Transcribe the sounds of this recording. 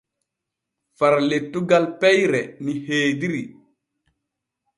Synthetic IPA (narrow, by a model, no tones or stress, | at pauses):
faɾletːuɡalpɛjɾɛniheːdiɾi